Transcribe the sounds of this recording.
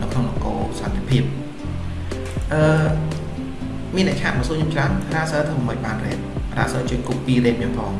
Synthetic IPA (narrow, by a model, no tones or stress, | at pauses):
nɨwkʰnoŋlokoːsɑnt̪ʰepʰiəp̚ | ʔəː | miənːɛ̰ʔt͡ɕʰaːʔ̚məsuːəɲut͡ɕraənraːsəːt̪ʰəməməc̚ɓaːnrɛ̰ːt̚ra̰ːsəːt͡ɕəəɲkup̚piəleːk̚miənpʰɑːŋ